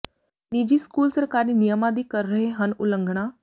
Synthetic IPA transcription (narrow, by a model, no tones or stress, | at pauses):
nid͡ʑiːskuːlsɾəkaɾiːnijəmad̪iːkəɾəɦeɦənuləŋɡʱɳa